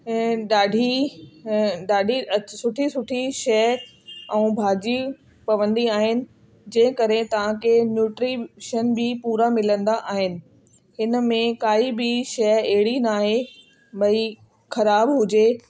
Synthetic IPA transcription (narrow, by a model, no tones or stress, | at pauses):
ɗaːɖʱi | ɗaːɖʱiɐsʊʈʰisʊʈʰiʃɛɦ | ɛ̃uːbʱaːd͡ʑi | pɐʋə̃nd̪iaːɦɪnɪ̆ | d͡ʑɐ̃ɦɪ̃kɐɾẽt̪ɐʋ̤ãkʰenjuːʈɾiʃəənbɪpuːɾamɪlə̃nd̪aʔaːɦɪnɪ̆ | hɪnə̆mẽkaːibɪʃɐeɦɪɽinaːɦe | ɓɐi | xɐɾaːbɦʊd͡ʑe